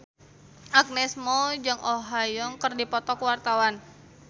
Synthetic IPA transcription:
ak̚nɛsmɔd͡ʒɨŋoɦajɔŋkərdipɔt̪ɔkwart̪awan

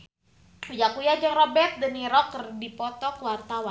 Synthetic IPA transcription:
ud͡ʒakujad͡ʒəŋrɔbɛt̪̚dəniɾɔkərdipɔt̪ɔkəwart̪awa

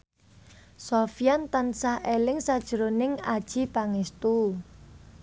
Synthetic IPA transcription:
sofijant̪ansahelɪŋsad̥ʒ̥ə̤ɾonɪŋad̥ʒ̥ipaŋest̪u

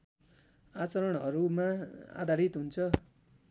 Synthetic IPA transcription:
at͡sʌɾʌɽɦʌɾumaa̰d̪ʱaɾit̪ɦunt͡sʰʌ

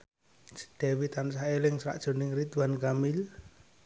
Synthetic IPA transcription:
d̪̥ɛ̤wit̪ansaelɪŋsɾa̰ʔd̥ʒ̥o̤nɪŋrit̪uankamɪl

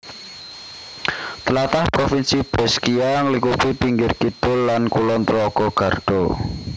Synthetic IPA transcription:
t̪əlat̪ahpɾofinsib̥ɛskiaŋlikupipiŋɡɪrkit̪ʊlːankulɔnt̪ɾɔɡ̥ɔɡ̥ä̤rɖ̥ɔ

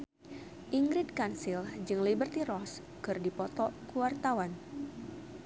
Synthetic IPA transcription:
ʔiŋɡɾid̚kansild͡ʒɨŋlibərt̪iɾɔs | kɨrdipɔt̪ɔkuwart̪awan

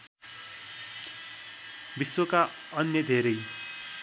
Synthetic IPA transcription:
biswokaʌnjʌd̪ʱeɾʌj

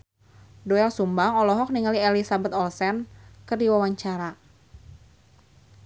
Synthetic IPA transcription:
dɔɛlsumbaŋɔlɔɦɔk̚niŋalielisabət̪ɔlsɛnkərdiwawaɲt͡ʃaɾa

